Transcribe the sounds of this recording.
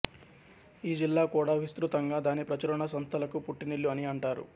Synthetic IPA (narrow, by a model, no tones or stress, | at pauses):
iːd͡ʒilːaːkuːɽaːʋist̪ɾut̪ɐŋɡaːd̪aːnipɾɐt͡ʃɐɾɐɳɐsɐnt̪ʰɐlɐkupuʈːiniɭːuɐniɐɳʈaːɾṵ